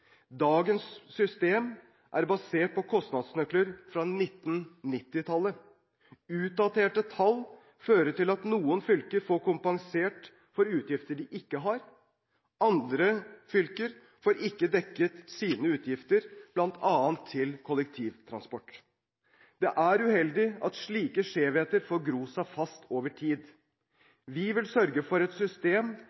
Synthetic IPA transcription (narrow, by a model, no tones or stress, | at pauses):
d̪ɑːɡənsːʏst̪eːm | ʔæ̰ɾbɑseːʈ̚pɔkʰɔst̪nɑd̪snœkləɾfɾɑnɪt̪ːnnɪt̪ːɪt̪ʰɑlːə | ʉːt̪̚d̪ɑt̪ʰeːʈət̪ʰɑlː | føːɾəʈɪlɑt̪nuːənfʏlkəɾfoːɾkʊmpɑŋseːʈ | fɔɾʉːt̪jɪft̪əɖɪʔɪkːəɦɑɾ | ɑnd̪ɾəfʏlkəɾ | foːɾʔɪkːəd̪ɛkːət̪siːnəʉːt̪jɪft̪əɾb̥lɑnt̪ʰɑːənt̪ʰːɪlkʰɔlɛkt̪ʰiːʋt̪ʰɾɑ̰nspɔʈː | d̪̥ɛʔæɾʉhɛld̪ɪʔɑt̪ʂɭiːkəʂeːʋheːt̪əɾfoːɾɡɾuːsɑfɑst̪ʰoːʋəʈʰiːd̪ | ʋɪʋɪlsœɾɡəfɔɾɛt̪sʏst̪eːm